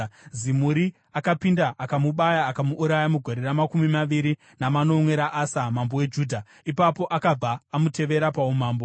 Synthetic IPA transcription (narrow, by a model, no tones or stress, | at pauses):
zimuɾi | akapindaʔakamuɓajaːkamuʔːɾajamuɡʱo̞ɾe̞ɾamakumimaʋiɾi | namano̞mwe̞ɾaʔasamambowe̞d͡ʒuːdʱa | ipapo̞ʔakab͡vaːmute̞ʋe̞ɾapaumaːmbo